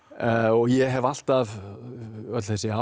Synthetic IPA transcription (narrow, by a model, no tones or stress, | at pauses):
ɔɣjɛɦɛval̥t̪av | œt̪lθɛsɪa